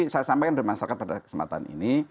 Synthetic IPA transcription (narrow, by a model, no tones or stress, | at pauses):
isajasampɛkandəɾimasaɾakat̪̚padakə̥səmpa̰t̪a̰nḭni